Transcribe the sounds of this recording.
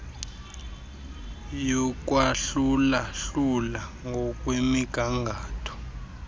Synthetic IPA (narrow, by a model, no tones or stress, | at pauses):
jɔk̬ʼwaɬulaɬulaŋɡʱɔk̬ʼwemiɡ̥ʱaŋɡʱaːtʰɔ̥